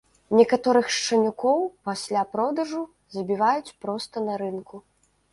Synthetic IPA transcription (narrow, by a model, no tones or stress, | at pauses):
nʲɛkat̪ɔɾɨxʂt͡ʂɐnʲukɔwpasʲlʲapɾɔd̪ɐʐu | zɐbʲivajut͡sʲpɾɔst̪ɐnɐɾɨnku